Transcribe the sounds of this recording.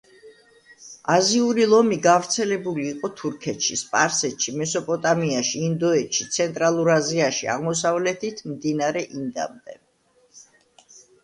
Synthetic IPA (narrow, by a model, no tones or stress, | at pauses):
aziuɾilˠɔmiɡavɾt̪sʰɛlɛbuliːqʼɔt̪ʰuɾkʰɛt̪ʃispʼaɾsɛt̪ʃimɛsɔpʼɔt̪ʼamiaʃiːnd̪ɔɛt̪ʃit̪sʰɛnt̪ʼɾalˠuɾaziaʃia̰ʁmɔs̬avlɛt̪ʰit̪ʰmd̪inaɾɛʔind̪a̰md̪ɛ